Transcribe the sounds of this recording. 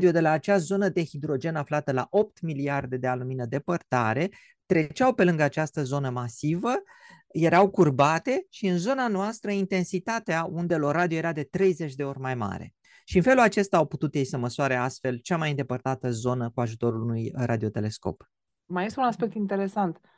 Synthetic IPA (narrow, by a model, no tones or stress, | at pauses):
d̪iod̪e̞laːt͡ʃazo̞nəd̪e̞xid̪ɾo̞d͡ʒe̞naflat̪əla̰ʔo̞p̚t̪miliard̪e̞d̪e̞aluminəd̪e̞pərt̪aɾe̞ | t̪ɾe̞t͡ʃawpe̞lɨŋɡəat͡ʃast̪əzo̞nəmasivə | je̞ɾawkurbat̪e̞ʃiɨnzo̞nanoast̪ɾəint̪e̞nsit̪at̪eaund̪e̞lo̞rad̪ioje̞ɾad̪e̞t̪ɾe̞jzet͡ʃʲd̪e̞o̞rʲmajma̰ɾe̞̰ | ʃiɨnfe̞lulat͡ʃe̞st̪aːwput̪ut̪jejsəməsuaɾeast̪fe̞lt͡ʃamajind̪e̞pərt̪at̪əzo̞nəkuaʒut̪o̞ɾuunujrad̪io̞t̪e̞le̞sko̞̰p | majest̪eunaspe̞k̚t̪int̪eɾe̞sant̪